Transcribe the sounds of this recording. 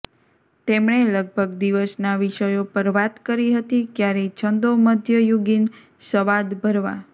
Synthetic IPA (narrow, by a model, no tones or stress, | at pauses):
t̪emɳeləɡ̚bʱəɡd̪iʋəsnaʋiʃəjopəɾʋat̪kəɾiɦət̪ikjaɾet͡ʃʰənd̪oməd̪ʱjəjuɡin | səʋad̪bʱəɾʋa̰